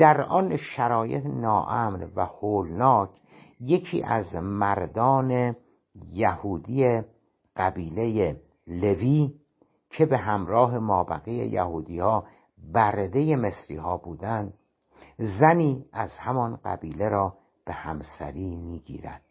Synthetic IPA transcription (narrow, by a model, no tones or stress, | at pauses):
d̪̥æɾɒnʃæɾɒːjet̪ʰenɒːʔæmɾvæhoːlnɒːkʰ | je̞kʰḭːʔæzmæɾd̪ɒːne | jæhuːd̪ije | ɢ̥æbiːle̞je | le̞viː | cʰe̞beɦæmɾɒːɦe̞mɒːbæ̰ɣijḛjæ̰huːd̪iːhɒː | bæɾd̪e̞je̞me̞sɾḭːhɒːbuːd̪ænd̪ | zæniːæzhæmɒnɡæ̰biːleɾɒː | b̥ehæmsæ̰ɾiːmiːɡḭːɾæ̰d̪̥